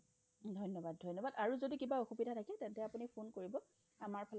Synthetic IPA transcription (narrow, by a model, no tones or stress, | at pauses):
dʱɔjnɔbad̚dʱɔjnːɔbadaɹuzodikibaoxubidʱatʰakɛtɛntɛapunipʰonkoɹibɔ | amaɹpʰɛl